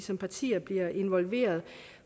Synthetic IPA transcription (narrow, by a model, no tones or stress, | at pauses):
sɒ̽mpʰɑ̈t͡sʰḭːɐb̥liɐʔe̝nʋɒ̽lʋe̝̰ːɐð̞̩ˠ